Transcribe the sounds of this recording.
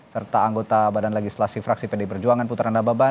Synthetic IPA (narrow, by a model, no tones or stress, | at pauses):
sərt̪aːŋɡot̪abadanleɡislasifɾaksipedɛpərd͡ʒuaŋanput̪ɾandababa